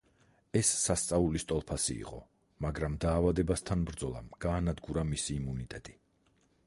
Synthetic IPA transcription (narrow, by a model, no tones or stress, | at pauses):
ɛsːast̪sʼaulist̪ʼɔlˠpʰasḭːqʼɔ̰ | maɡɾamd̪aːvad̪ɛbast̪ʰanbɾd̪zɔlˠa̰mɡ̥aːnad̪ɡuɾamisiːmunit̪ʼɛt̪ʼi